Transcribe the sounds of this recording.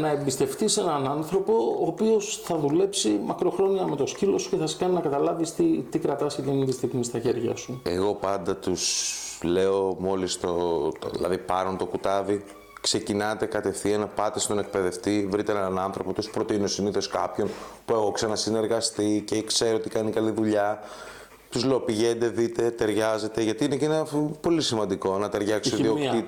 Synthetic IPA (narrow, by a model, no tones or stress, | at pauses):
nɐembist̪e̞ft̪ise̞nɐnɐnθɾo̞po̞ːpio̞sθɐðule̞psimɐkɾo̞xɾo̞niɐme̞t̪o̞scilo̞su̥ceθɐse̥kɐninɐkɐt̪ɐlɐvist̪it̪ikɾɐt̪ɐsit̪init̪ist̪iɣmist̪ɐçe̞ɾʝɐ̰sue̞̰ɣo̞pɐnd̪ɐt̪usle̞o̞mo̞list̪oðḭlɐ̰ðipɐɾont̪o̞kut̪ɐvi | kse̞cinɐt̪e̞kɐt̪e̞fθienɐpɐt̪est̪o̞ne̞k̚pe̞ðe̞ft̪ivɾit̪eenɐnɐnθɾo̞pot̪uspɾo̞t̪inosiniθo̞skɐpço̞npue̞ɣoksenɐsine̞ɾɣɐst̪ice̞kse̞ɾoot̪ikɐnikɐliðuʎɐ | t̪uzle̞opiʝe̞nd̪e̞ðit̪e̞t̪e̞ɾʝɐze̞t̪e̞ʝɐt̪iinecenpo̞lisimɐnd̪iko̞nɐt̪eɾʝɐksðiokt̪it̪